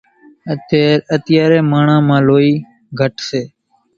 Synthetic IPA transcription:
əət̪ɪjaːɾeːmãːɳãːmãːloːiː | ɡʱəʈseː

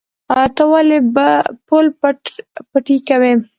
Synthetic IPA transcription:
at̪awalebapolppaʈikawe

